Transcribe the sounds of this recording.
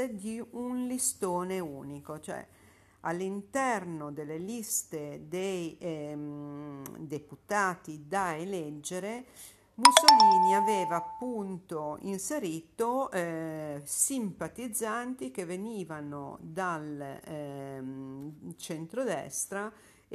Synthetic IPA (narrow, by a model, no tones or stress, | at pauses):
ed̪iunlist̪oːneuːnikot͡ʃoɛ̰ | alːint̪ɛrnod̪elːelist̪ed̪ej | d̪eput̪aːt̪id̪aelɛd͡ʒːeɾe | musoliːniavɛːvaːpːunt̪oḭnseɾiːt̪o | simpat̪id̪zːant̪ikeveniːvano̰d̪al | t͡ʃent̪ɾod̪ɛ̰st̪ɾa